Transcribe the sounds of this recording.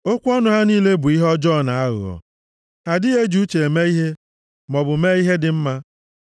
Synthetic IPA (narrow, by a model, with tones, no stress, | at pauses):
o˦kʷɔ˦nʊ˨ɦa˦niː˦le˦bʊ˨i˦ɦɔ˦d͡ʒɔ˦˨na˨a˦ɣʊ̰˨ɔ̰˨ | ha˨dɪ˦e˦d͡ʒu˦t͡ʃe˨e˨me˦i˦ɦe˦ | mɔ˨bʊ˨me˦i˦ɦe˦dɪ˨m̩˦ma˦